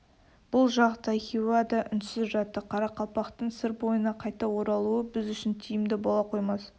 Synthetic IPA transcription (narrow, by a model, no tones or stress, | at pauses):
b̥ʊlˠʒɑʁət̪ɑjχʲiwad̪ɑʔʏnsɪzʒɑt̪ːəqʰɑɾɑqʰɑlˠpɑqt̪əɴsɪɾbo̞jənɑqʰɑjt̪ɑwo̞ɾɑlˠuəbɪzʏʃɪnt̪ʰijɪmd̪ɪbɑlˠɑqʰo̞jmɑs